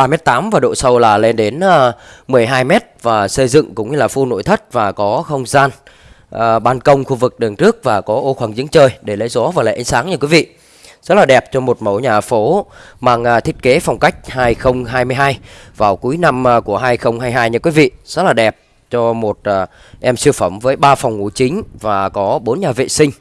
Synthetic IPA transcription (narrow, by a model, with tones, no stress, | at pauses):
ɓaː˧˩mɛ˦˥t̚t̪aː˨˦mvaː˨˩ɗo̰˧˨sə˧wlaː˨˩le˧nɗe˨˦nəː˧mɨ˨˩əjɦaː˧jmɛ˦˥t̚vaː˨˩sə˧jzɨ̰˧˨ŋkʊ̰˧˥ŋ͡mɲɨ˧laː˨˩fo˧no̰˧˥˨jt̪ʰə˦˥t̚vaː˨˩kɔ˨˦xə˧wŋ͡mzaː˧n | ʔəː˨˩ɓaː˧nkə˧wŋ͡mxu˧vɨ˨˩k̚ɗɨ˨˩ŋt͡ɕɨ˦˥ək̚vaː˨˩kɔ˨˦ʔo˧xwaː˧˩ŋzɨ̰˧˥əŋt͡ɕəː˧jɗe˧˩lə̰˧˥jzɔ˨˦vaː˨˩la̰ː˧˩ʔa˨˦ŋ̟saː˨˦ŋɲɨ˧kwi˨˦vḭ˧˨ | zə˦˥t̚laː˨˩ɗɛ˨˩p̚t͡ɕɔ˧mo˨˩t̚mə˨˧˩wɲaː˨˩fo˨˦maː˧˩ŋʔːt̪ʰi˦˥t̚ke˨˦fɔ˨˩wŋ͡mka˦˥jk̟̚haː˧jxə˧wŋ͡mɦaː˧jmɨ˧jɦaː˧jvaː˨˩wku˨˦jna˧m˧ku˧˩əɦaː˧jxə˧wŋ͡mhaː˧jɦaː˧jɲɨ˧˩kwi˨˦vḭ˧˨zə˦˥t̚laː˨˩ɗɛ˨˩p̚ | t͡ɕɔ˧mo˨˩t̚ː | ʔɛ˧msfə˧˩mvəː˨˦jɓaː˧fɔ˨˩wŋ͡mŋu˧˩t͡ɕï˨˦ŋ̟vaː˨˩kɔ˨˦ɓo˨˦nɲaː˨˩vḛ˧˨sï˧ŋ̟